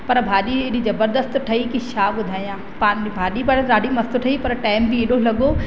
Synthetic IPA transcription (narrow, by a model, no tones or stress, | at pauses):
pɐɾbʱaːɗieɗizɐbəɾd̪əst̪ʈʰɐikiʃaːɓʊd̪ʱaːijãː | paːnbʱaːɗipɐɽɾaːɖimɐst̪ʊʈʰɐipɐɾʈaːɪmbɪeɗolɐɡo